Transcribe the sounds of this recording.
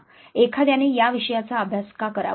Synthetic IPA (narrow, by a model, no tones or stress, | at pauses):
ekʰad̪janejaʋiʂəjat͡saəbʱjaskakəɾa̰